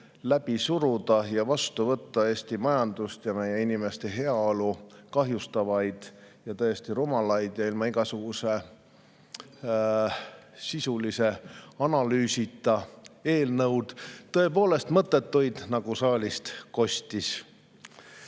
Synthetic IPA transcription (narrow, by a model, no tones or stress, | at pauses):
læb̥isuɾud̪ɑjɑvɑst̪uvɤt̪ːɑe̞ːst̪imɑjɑnd̪̥ust̪jɑme̞je̞inime̞st̪e̞ɦe̞ɑolukɑɦjust̪ɑvɑjd̪̥jɑt̪ɤjest̪iɾumɑlɑjd̪̥jɑilmɑiɡ̥ɑsuɡ̥use̞ | sisulise̞ɑnɑlyːsit̪ːˑɑe̞ːlnɤwd̪̥t̪ːɤe̞po̞ːle̞st̪mɤt̪ːˑe̞t̪ːujd̪nɑɡ̥usɑːlʲist̪ko̞st̪is